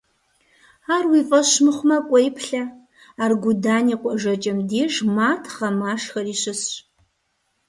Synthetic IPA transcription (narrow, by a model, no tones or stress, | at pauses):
aːrwiːfʼɐɕmɨχʷʊmɐkʷʼɔjpʰɬɐ | aːrɡʷʊdaːniːqʷʼɔʒɐt͡ʃʼɐmdiːʐmaːtʰχɐmaːʂxɐriːɕɨsɕ